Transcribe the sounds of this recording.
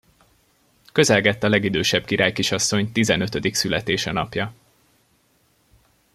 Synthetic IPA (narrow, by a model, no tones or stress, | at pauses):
kø̞zɛlɡɛt̪ːɒlɛɡid̪øːʃɛb̥kiɾaːjkiʃɒsːo̞ɲt̪izɛnø̞t̪ø̞d̪iksylɛt̪eːʃɛnɒ̰pjɒ